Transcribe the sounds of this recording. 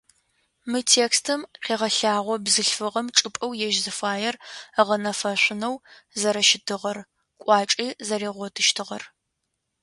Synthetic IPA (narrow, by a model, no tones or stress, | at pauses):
mɨtʰeːkstʰɨmqeːʁɐɬaːʁʷɔbzɨɬfɨʁɐmʈ͡ʂʼɨpʼɐwjɛʒzɨfaːjɛrəʁɐnɐfɐɕʷɪnɐw | zɐɾɐʃɪdʰɨʁɐr | kʷʼɑːt͡ʃʼiːzɐɾeːʁʷɔtʰɨʃtʰɨʁɐr